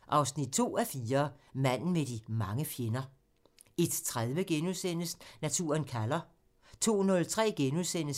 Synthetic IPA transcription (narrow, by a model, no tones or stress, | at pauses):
ʔɑ̈ʊsnid̥̚t͡sʰo̝̰ːæfiːɐmæn̰n̩med̥imɑ̈ŋəfjenɐ | e̝d̥t͡sʰʁaðˠʋəɡ̥enuðˠsen̰əsnæt͡sʰṵːɐnkʰælɐ | t͡sʰo̝̰ːnɔ̽lt͡sʰʁɛ̰ːɡ̥enuðˠsen̰əs